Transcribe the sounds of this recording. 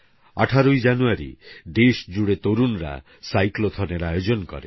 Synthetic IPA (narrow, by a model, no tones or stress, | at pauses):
aʈʰaɾojd͡ʒanuaɾḭd̪esd͡ʒuɽet̪oɾunɾa̰ | sajklot̪ʰɔneɾajod͡ʒɔnkɔ̰ɾḛ